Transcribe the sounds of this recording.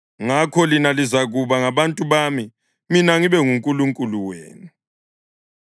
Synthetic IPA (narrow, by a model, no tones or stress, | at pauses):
ŋakʰɔlinalizaɣuβaŋaβantʼuβami | minaŋiβɛŋuŋkʼuluŋkʼuluwḛːnu